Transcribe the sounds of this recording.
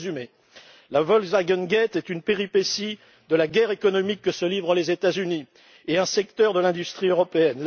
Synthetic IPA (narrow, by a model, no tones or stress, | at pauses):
zyme | lavɔlzaɡɔnɡɛt̪ɛt̪ynpeʁipesi | d̪əlaɡʲɛʁekɔnɔmikːəsəlivʁəlezet̪azyni | eɛ̃sɛkt̪œʁd̪əlɛ̃d̪yst̪χiøʁɔpeɛnl